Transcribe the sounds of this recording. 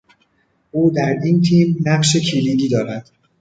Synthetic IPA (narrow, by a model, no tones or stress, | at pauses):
ʔuːd̪æɾint̪ʰiːmnæɢʃe̞cʰiliːd̪iːd̪ɒːɾæd̪̥